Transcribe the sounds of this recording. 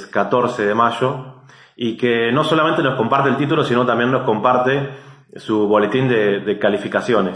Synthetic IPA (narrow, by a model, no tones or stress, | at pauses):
kat̪o̞ɾseðemaʃo̞ | ikeno̞so̞lamẽnt̪eno̞sko̞mpaɾt̪elt̪it̪ulo̞sino̞t̪ambje̞nːo̞sko̞mpaɾt̪e | suβo̞le̞t̪ind̪eðekalifikasjo̞ne